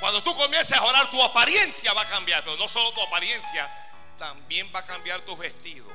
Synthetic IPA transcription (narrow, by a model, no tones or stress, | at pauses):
kwand̪o̞t̪uko̞mje̞nsesao̞ɾaɾt̪uapaɾje̞nsjaβakambjaɾpe̞ɾono̞so̞lo̞t̪uapaɾje̞nsja | t̪ambje̞mbakambjaɾt̪uzβe̞st̪iðo̰